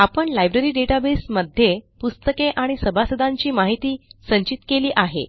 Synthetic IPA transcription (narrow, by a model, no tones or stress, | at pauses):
apəɳlajbɾeɾiːɖeʈabesməd̪ʱːjepust̪əkeʔaɽ̃isəbʱasəd̪ʱaɲt͡ɕiːmaɦit̪iːsəɲt͡ɕit̪keliːʔaɦḛ